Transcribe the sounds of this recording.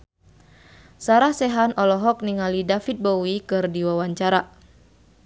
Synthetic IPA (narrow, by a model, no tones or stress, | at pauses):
saɾahsɛɦanʔɔlɔɦɔk̚niŋalidafit̪̚bowikɨrdiwawaɲt͡ʃaɾa